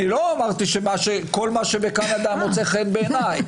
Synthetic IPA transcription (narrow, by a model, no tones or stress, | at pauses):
nilo̞amaʁt̪iʃemaʃeko̞lmaʃe̞be̞kanad̪amot͡se̞χenbe̞ːnaj